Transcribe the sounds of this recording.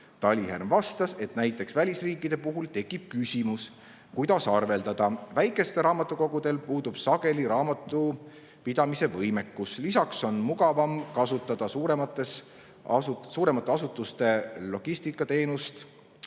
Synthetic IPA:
t̪ɑlʲiɦærmvɑst̪ɑse̞t̪næjt̪ːˑe̞ksvælʲisriːkːˑid̪̥e̞puɦult̪e̞kːˑib̥̚kysʲimus | kujd̪̥ɑsɑrve̞ld̪ɑd̪̥ɑvæjkːˑe̞st̪e̞ɾɑːmɑt̪ːˑuko̞ɡ̥ud̪̥e̞lpuːd̪̥ub̥sɑɡ̥e̞liɾɑːmɑt̪ːˑu | pid̪ɑmise̞vɤjme̞kːuslisɑkso̞nmuɡɑvɑmkɑsut̪ːˑɑd̪̥ɑsuːɾemɑt̪ːˑes | ɑsusuːɾe̞mɑt̪ːeɑsut̪ːˑust̪e̞lo̞ɡ̥ist̪ikːˑɑt̪e̞ːnust̪

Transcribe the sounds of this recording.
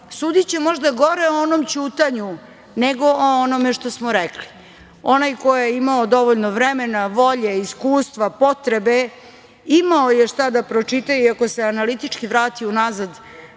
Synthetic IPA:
suːd̪it͡ɕemo̞ʒd̪aɡo̞ɾeoonomt͡ɕuːt̪aɲu | neɡo̞ʔoonomeʃt̪osmoɾekli̥ | onajko̞jejeimaod̪o̞ʋoʎnoʋɾemenaʋo̞ʎeiskuːst̪ʋapo̞t̪ɾebe̞ | imaojeʂt̪ad̪apɾot͡ʂit̪ajuiako̞se̞analit̪it͡ʂkiʋɾaːt̪iunazad̪

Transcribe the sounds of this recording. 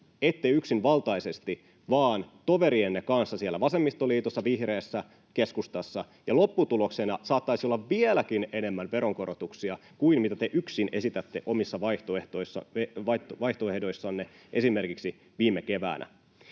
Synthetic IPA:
et̪ːejyksinʋɑlt̪ɑisest̪i | ʋɑːnt̪o̞ʋe̞ɾienːekɑnsːɑsielːæʋɑsemːist̪oliːt̪osːɑʋihreːsːæ | keskust̪ɑsːɑ | jɑlopːut̪uloksenɑsɑːt̪ːɑisiolːɑʋʋielækinene̞mːænʋeɾoŋko̞ɾot̪uksiɑkuimmit̪æt̪eʔyksinʔe̞sit̪æt̪ːeʔomisːɑʋɑiht̪oeht̪oisːɑ̰eʋɑʋɑiht̪oehdo̞isːɑnːeʔe̞sime̞rkiksi | ʋiːmekeʋæ̰ːnʔæ̰

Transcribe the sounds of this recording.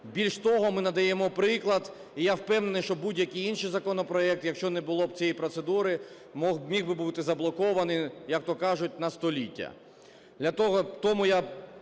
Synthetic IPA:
bʲilʲʃt̪ɔɦɔmɪnɐd̪ɐjɛmɔpɾɪklˠɐd̪ | ijawpɛwnenɪjʃt͡ʃɔbudʲjɐkʲijinʃijzɐkɔnɔpɾɔɛk̚t̪jɐkʃt͡ʃɔnɛbʊlˠɔb̚t͡sʲiɛjpɾɔt̪sed̪uɾɪ | mɔmʲiɣbɪbut̪ɪzɐblˠɔkɔʋɐnɪjjɐk̚t̪ɔkɑʒʊt̚ʲnɐst̪ɔlʲitʲːɐ̰ | d̪lʲɐt̪ɔɦɔt̪ɔmʊja

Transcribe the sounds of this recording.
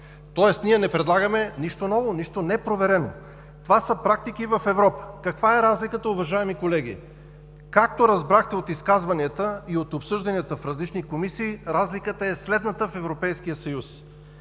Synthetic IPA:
t̪ɔɛsniɛnɛpɾɛd̪lˠaɡəmɛniʃt̪onɔvoniʃt̪onɛpɾovɛɾɛno̰ | t̪ovasəpɾak̚t̪ik̟ivɐfɛvɾɔpə̥kɐkvaɛɾazlikət̪əʊvɐʒaɛmikolɛɡ̟ḭ | kak̚t̪oɾɐzbɾaxt̪ɛot̪iskazvɐniət̪əiot̪opsɤʒd̪ɐniət̪əfɾɐzlit͡ʃnikomisiːɾazlikət̪əɛslɛd̪nət̪əfɛvɾopɛjskijəsɐjus

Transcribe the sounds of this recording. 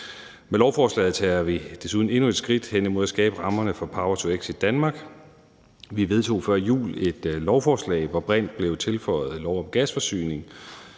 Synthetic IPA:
melɒʊfɒːslɛ̰ːð̩ˠt͡sʰɛ̰ːɐʋid̥e̝suð̞ˠn̩e̝nue̝d̥sɡ̥ʁid̥hen̰imo̝ð̞̰ˠæsɡ̥ɛːb̥əʁɑ̈mɐnəfɒ̽pʰɑ̈ʊɐt͡sʰueɡ̥sid̥ænmɑ̈ːɡ̥ | ʋiʋe̝ð̞ˠt͡sʰo̝̰ːfɶɐ̰ijṵːle̝d̥lɒʊfɒːslɛ̰ɪʋɒb̥ʁɛn̰d̥̚b̥le̝ʊt͡sʰe̝lfɒɪð̩ˠlɒʊɒ̽mɡ̥æsfɒ̽sy̰ːne̝ŋ

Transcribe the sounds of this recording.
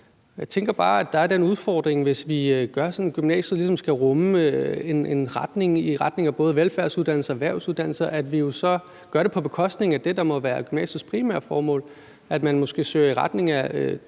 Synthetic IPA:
jäɪt͡sʰeŋɡ̥ɐb̥ɑ̈ːæd̥ɑ̈æɐd̥enuð̞ˠfɒ̰ːd̥ʁeŋʋe̝sʋiɡ̥ɶɐsɒ̽nɡ̥ymnɛ̰ːsəð̩ˠlisɒ̽msɡ̥æʁɔ̽møene̝nʁɑ̈d̥ne̝ŋiʁɑ̈d̥ne̝ŋæb̥ɔ̽ːð̞̩ˠʋelfæɐsuðˠd̥æn̰l̩sɐʋæɐʊsuð̞ˠd̥æn̰l̩sɐʔæd̥ʋijo̝sɒ̽ | ɡ̥ɶɐɾ̥e̝pʰɒ̽b̥e̝kʰɒ̽sd̥ne̝ŋæd̥e̝d̥ɑ̈mɒ̽ʋæːɐɡ̥ymnɛ̰ːɕiðsɡ̥̚pʰʁimæ̰ɐ̰̥fɒːmɔ̰ːl | æd̥mænmosɡ̥e̝̰ːsø̰ːɐiʁɑ̈d̥ne̝ŋæø

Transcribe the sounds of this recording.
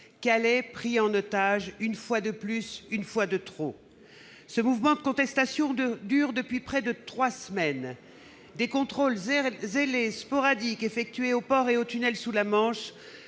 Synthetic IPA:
kalɛpχiɑ̃not̪aʒynfwad̪əplysynfwad̪ət̪χo | səmuvmɑ̃d̪əkɔ̃t̪ɛst̪asjɔ̃d̪yʁd̪əpɥipχɛd̪ət̪χwasmɛn | d̪ekɔ̃t̪χolzzelespɔʁad̪ikefɛk̚t̪ɥeopɔʁeot̪ynɛlsulamɑ̃ʃ

